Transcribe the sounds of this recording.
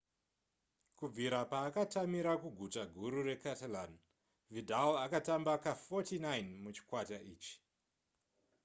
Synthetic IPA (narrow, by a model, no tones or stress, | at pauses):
kub͡viɾapaːkatamiɾakuɡʱut͡ʃaɡʱuɾuɾe̞katalan | vidʱalakatambakafotinajnmut͡ʃi̥kwataʔiːt͡ʃi̥